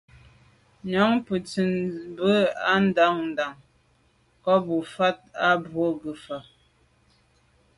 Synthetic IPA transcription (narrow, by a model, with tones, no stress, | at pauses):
ɲɔ˨˦ŋpə˨t͡si˨nbə˦a˦n̩˦da˨˦ŋn̩˨da˨ŋ | kɔ˦bu˨fa˦t̚a˦bwo˦ɡə˨fa˨